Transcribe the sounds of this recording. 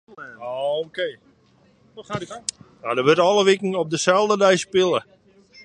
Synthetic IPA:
ookeː | ajadəʋørtɔlˠəʋɪkŋ̩ɔp̚dəsɛlˠdədɛjspɪlˠə

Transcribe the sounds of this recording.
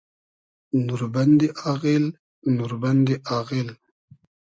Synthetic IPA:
nuɾband̪eʔɑɣel | nuɾband̪eʔɑɣel

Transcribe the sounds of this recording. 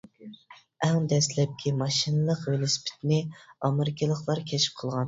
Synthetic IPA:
ɛŋd̪ɛslɛp̚kʲʰimɑʃɨnɨlˠəqvelˠospʰɪ̥t̪nɪɑmeɾɪkʲʰɨlˠəχlˠɑɾkʲʰɛt͡ʃʰi̥p̚qʰəlˠʁɑn

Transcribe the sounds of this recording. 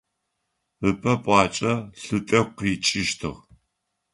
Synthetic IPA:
ɨpʰɐpʷʼɑːt͡ʃʼɐɬɨtʼɐqiːt͡ʃʼɪʃtʰɨ̰ʁ

